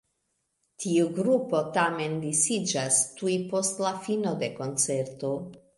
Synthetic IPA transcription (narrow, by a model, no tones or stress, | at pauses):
tʰiuɡɾupo̞tame̞ndisid͡ʒastujpo̞stlafino̞de̞ko̞nt͡se̞ɾto̞